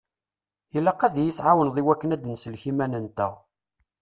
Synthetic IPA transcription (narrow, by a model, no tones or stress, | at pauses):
ilːæqːæðjisʕawənðˤiwækːənæd̪nsəlçimænənt̪æ̰